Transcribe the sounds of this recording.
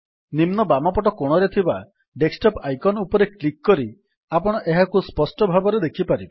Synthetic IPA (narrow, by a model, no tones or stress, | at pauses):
nimnɔbamapɔʈ̬ɔkoɽ̃ɔɾet̪ʰiba | ɖeksʈɔpajkɔnɔupɔɾeklikːɔɾi | apɔɽ̃ɔʔeɦakuspɔsʈɔbʱabɔɾed̪ekʰipaɾibɔ